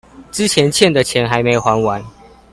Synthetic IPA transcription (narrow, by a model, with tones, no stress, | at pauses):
t͡sɹ̩˥˦t͡ɕʰjɛ˨˦nt͡ɕʰjɛ˥˨nd̪ə˨t͡ɕʰjɛ˨˦nxa˧˦ɪme˧˥ɪo˨xwa˨˦nwa˨˦n